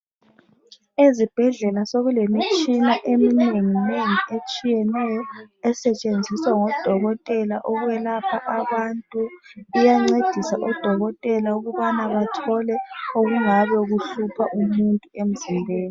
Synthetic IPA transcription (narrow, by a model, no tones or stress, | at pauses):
ezib̥ʱɛɮɛlasoɣulemit͡ʃʼinaʔemineŋineŋiʔet͡ʃʼijɛnɛjɔɛsɛt͡ʃʼend͡zʱiswaŋɔd̥ʱɔɣɔtʼɛlaʔɔɣuβɛlapʰaʔaβantʼuːjaŋ͡ǀed̥ʱisaʔɔd̥ʱɔɣɔtʼɛlauɣuβanaβatʰɔlɛoɣuŋaβɛɣuɬupʰaʔumuntʼuem̩zimbʱeːni